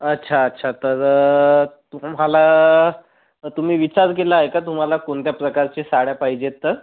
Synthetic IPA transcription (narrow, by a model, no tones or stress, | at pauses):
ətːɕʰaətːɕʰat̪əɾ | t̪um̤ala | t̪um̤iːʋit͡ɕaɾk̬elaːɦekat̪um̤alakoɳt̪japɾəkaɾt͡ɕesaɽjapaɦid͡ʑet̪ːəɾ